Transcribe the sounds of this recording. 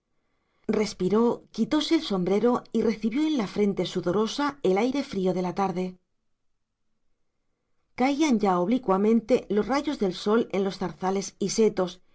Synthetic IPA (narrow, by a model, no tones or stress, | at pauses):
re̞spiɾo̞kit̪o̞se̞ːlso̞mbɾe̞ɾo̞ire̞θiβjo̞enlafɾe̞nt̪e̞suðo̞ɾo̞sae̞lajɾe̞fɾio̞ð̞e̞lat̪aɾðe̞ | kaianɟao̞βlikwamẽ̞nt̪e̞lo̞zraʝo̞zðe̞lso̞le̞nlo̞sθaɾθale̞sise̞t̪o̞s